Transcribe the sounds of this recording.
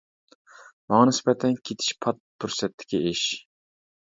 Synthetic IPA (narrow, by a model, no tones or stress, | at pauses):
mɑŋɑnɪsbɛt̪ʰɛnkʲʰet̪ʰi̥ʃpʰɑt̪̚pʰyɾsɛt̪ʰːɪ̥kʲieʃ